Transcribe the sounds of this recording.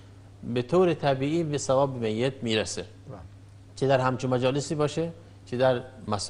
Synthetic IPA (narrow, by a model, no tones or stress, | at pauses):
bet̪ʰoːɾet̪ʰæbiːiːbesævɒːbemejːet̪̚miːɾæse | t͡ʃʰed̪æɾhæmt͡ʃʰinmæd͡ʒɒːlesiːbɒːʃe | t͡ʃʰed̪æɾmæs